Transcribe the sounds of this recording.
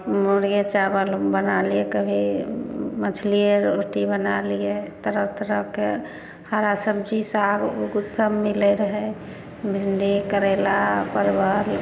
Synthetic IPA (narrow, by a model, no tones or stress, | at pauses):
moɾɡet͡ʃabəlbənaliekəbʱi | mət͡ʃʰliəɾoʈibənalijet̪əɾət̪ɾəke | haɾasəb̚d͡ʒisaɡuɡud̪səbmilɛɾəɦɛ | bʱiɳɖekəɾɛlapəɾbʱəl